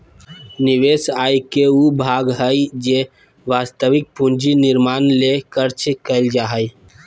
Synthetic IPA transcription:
niʋesajkeubʱaɡɦəjd͡ʒe | ʋast̪əʋik̚pund͡ʒiniɾmanlekəɾt͡ʃkəɪld͡ʒaɦəj

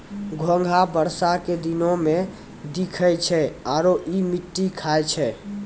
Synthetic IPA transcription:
ɡʱə̃ŋɡʱabəɾsaked̪inõmẽ | d̪ikʰəjt͡ʃʰɛaɾoʔimiʈːikʰajt͡ʃʰɛ

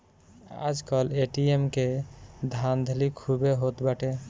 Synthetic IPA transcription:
a̰d͡ʒkəleʈiemked̪ʱand̪ʱəlikʰubeɦot̪baʈe

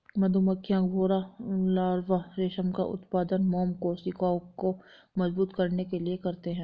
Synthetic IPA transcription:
mɐd̪ʱumɐkʰːjãɡʱoːɾalaːɾʋaɾeːʃəmka̰ʔʊ̰t̪paːd̪ənmɔːmkosikaːkko | mɐzbuːt̪kɐɾnekeliekɐɾt̪eɦɛ̃ː

